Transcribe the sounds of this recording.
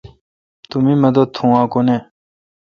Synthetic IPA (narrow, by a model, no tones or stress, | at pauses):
t̪umimɐd̪ot̪ʰːũãːkone